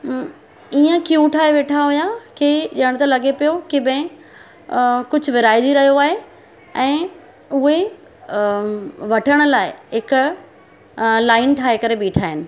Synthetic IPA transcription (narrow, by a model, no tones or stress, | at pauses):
iːə̃kijuʈʰaːɦeʋeːʈʰaɦujakiʄəɽ̃t̪ɐlɐɠepijokiɓɛ̃ɪ̃ | kʊd͡ʑʱʊʋɪɾaːidiɾɐɦijoaːɦe | ɛ̃ː | ʊɦe | ʋɐʈʰəɽ̃ʊ̆laːɪɦɪkʊ | laːɪnʈʰaːɦekɐɾeɓiːʈʰaːɦɪnɪ̆